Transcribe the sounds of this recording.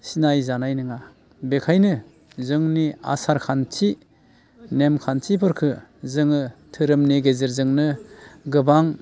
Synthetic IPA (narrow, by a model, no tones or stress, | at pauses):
sinajzanajnɯŋa | bekʰajnɯ | zɯŋnia̰saɾkʰantʰi | nemkʰantʰipʰɯɾkʰɯzɯŋɯtʰɯɾɯmneɡezɯɾzɯŋnɯɡɯbaŋ